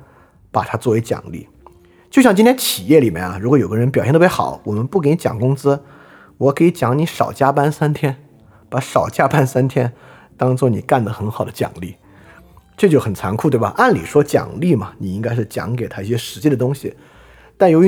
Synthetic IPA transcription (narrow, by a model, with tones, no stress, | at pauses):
pa˨˩t̪ʰa˥t͡swɔ˥˩we˧˥ɪt͡ɕjɑ̰˨˩ŋlḭ˥˩ | t͡ɕjo˥˧ʊɕjɑ˥˩ŋt͡ɕi˥nt̪ʰjɛ˥nt͡ɕʰi˨˩jɛ˥˩li˨˩mjɛ̰˥na˨ɻu˧˥kwjo˨˩ʊɡə˦˧ɻə˧˥npjɕɛ˥˧˥ɪxɑ̰˨˩˦ʊwɔ˨˩mə˦npu˥˩ke˧˥ɪni˧˥t͡ɕjɑ̰˨˩ŋkʊ˥ŋt͡sɹ̩˥ | wɔ˧˥kʰɤ˧˥i˧˥t͡ɕjɑ˧˥ŋni˧˥ʂɑ̰˨˩ʊt͡ɕja˥pa˥nsa˥nt̪ʰjɛ˥n | pa˧˥ʂɑ˨˩ʊt͡ɕja˥pa˥nsa˥nt̪ʰjɛ˥n | t̪ɑ˥ŋt͡swɔ˥˩nḭ˨˩ka˥˩nd̪ə˩xə˧˥nxɑ˨˩ʊd̪ə˦t͡ɕjɑ̰˨˩ŋli˥˩ | ʈ͡ʂt͡ɕjxə˨˩nt͡sʰa˧˥nkʰu˥˩t̪wbɐ˨˩ʔa˥˩nlḭ˨˩ʂwɔ˥t͡ɕjɑ̰˨˩ŋli˥˩mɐ˩ni˨˩i˥ŋka˥ɪʂ̬ɻ̩˥˩t͡ɕjɑ̰˧˥ŋke˨ɪt̪ʰa˥i˥˩ɕjɛ˥ʂɻ̩˧˥t͡ɕi˥˩d̪ə˨t̪ʊ˥ŋɕḭ˨ | t̪a˥˩njo˧˥ʊy˧˥